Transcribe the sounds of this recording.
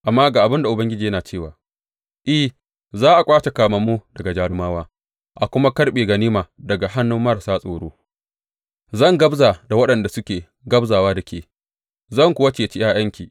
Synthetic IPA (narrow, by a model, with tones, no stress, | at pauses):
ʔa˨mːaː˦ɡaː˨ʔa˨bɪ˦nda˨ʔʊ˨bɐ˦ŋɡʲɪ˦d͡ʒiː˨jɐ˦naː˨t͡ʃeː˦˨waː˨ | ʔɪ˦h | zaː˦ʔa˨kʷʼaː˦t͡ʃe˨kaː˨mɐ˨mːuː˦dɐ˨ɡa˨d͡ʒaː˦ɽɪ˦maː˦waː˦ | ʔa˨kʷʊ˦ma˦kɐ˦ɽɓeː˨ɡɐ˨niː˦maː˨dɐ˨ɡa˨ɦa˦nːʊ˦mːɐ˦ɾa˨saː˦sʼoː˨ɽoː˦ | zɐ˦˨ŋɡɐ˦bza˨da˨wɐ˦ɗɐ˨nda˨sʊ˦kʲeː˨ | ɡɐ˦bzaː˨waː˦da˨kʲeː˨ | zɐ˦˨ŋkʷʊ˦wɐ˦t͡ʃeː˨t͡ʃi˦j̰ʔaː˦j̰ɐ˦ŋkʲiː˨ʔ